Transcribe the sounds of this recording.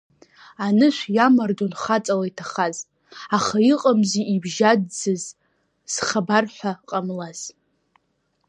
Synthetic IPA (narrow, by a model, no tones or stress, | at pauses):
anɨʃʷjamardonχat͡sʼalaitʰaχaz | aχaiqʼamziʔibʒadd͡zɨz | z̥χabarħʷaqʼamlaz̥